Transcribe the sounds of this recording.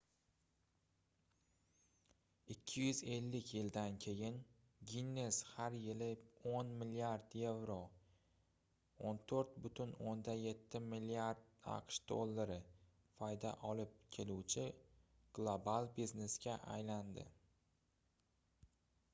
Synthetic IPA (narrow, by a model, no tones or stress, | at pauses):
ɪkʲʰːɪjʏze̞lːɪkʲʰjɪld̪ankʲʰe̞jɪn | ɡʲinːe̞shaɾjɪlɪonmɪliaɾd̪je̞vɾo | ont̪ʰoɾt̪̚bʊt̪ʰʊnond̪aje̞t̪ʰːɪmilːiaɾd̪̚a̰qʃd̪̥o̰lˠːaɾɪ | fɒjd̪a̰ʔɒlɪp̚kʲʰe̞luwt͡ʃʰɪ | ɡ̥lˠobalˠbizne̞sɡʲaʔa̰jland̪ɪ̰